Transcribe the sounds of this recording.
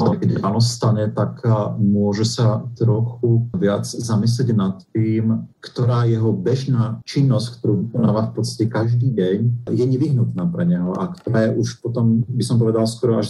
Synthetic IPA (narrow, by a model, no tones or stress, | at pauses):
t̪ɔkɛɟɾaːnɔsst̪aɲɛt̪akmʊɔʒɛsat̪ɾɔxuvɪad͡zzamis̬lɛɟnat̪ːiːmkt̪ɔɾaːjɛɦɔbɛʒnaːt͡ʃinːɔsckt̪oɾuːvikɔnaːʋaːfpɔt̪t͡st̪ḁcɛkaʒd̪iːɟɛɲjɛɲɛʋiɦnut̪naːpɾɛɲɛɦɔʔakt̪ɔɾaːjɛʔuʃpɔt̪ɔmbisɔmpɔʋɛd̪alskɔɾɔaʃ